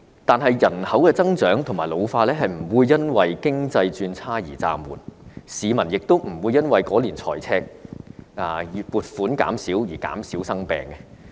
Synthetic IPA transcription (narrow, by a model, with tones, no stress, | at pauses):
t̪aː˨nɦɐ˨jjɐ˨˩nhɐ˨˥wkɛː˧t͡sɐ˥ŋt͡ʃœː˨˥ŋt̪ʰʊ˨˩ŋmaː˨˩jlo˨˧wfaː˧lɛː˥ɦɐ˨jm̩˨˩wuː˨˧jːɐ˥nwɐ˨jkɪ˥ŋt͡sɐ˧jt͡ʃyː˧nt͡sʰaː˥jiː˨˩t͡sa̰ː˨˧mwṵː˨˩t̚siː˨˧mɐ˨˩njɪ˨k̚t̪o˥wm̩˨˩wuː˧jːɐ˥nwɐ˨jkɔː˨˥liː˨˩nt͡sʰɔ̰ː˨˩jt͡sʰɛː˥k̚ | aː˧˨˧puː˨t̚fuː˨˥nka̰ː˨˥msiː˨˥wjiː˨˩ka̰ː˨˥msiː˨˥wsɐ˥ŋpɛ̰ː˨˧ŋkɛ˧